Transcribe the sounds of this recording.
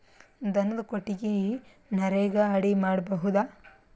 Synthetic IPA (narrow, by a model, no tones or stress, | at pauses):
d̪ɐnːɐd̪ɐkoʈːiɡe | nɐɾeːɡɐaːɽimaːɽɐbɐɦud̪aː